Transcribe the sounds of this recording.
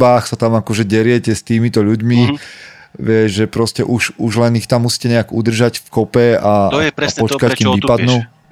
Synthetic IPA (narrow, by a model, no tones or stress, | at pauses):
baːxsat̪amakɔʒɛɟɛɾɪɛcɛst̪iːmit̪ɔʎuɟmi | ʋɪɛʒʒɛpɾɔscɛ̰ʔuʃuʒlɛnixt̪amːusi̥ːcɛɲɛaɡud̪r̩ʒacfkɔpɛapɔt͡ʃt͡ʃkackiːmʋipad̪nuː